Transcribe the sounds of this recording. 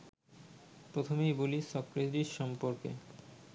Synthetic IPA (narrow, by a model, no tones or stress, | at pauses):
pɾot̪ʰomejbolisɔkɾed̪ɾiɾʃɔmpoɾkḛ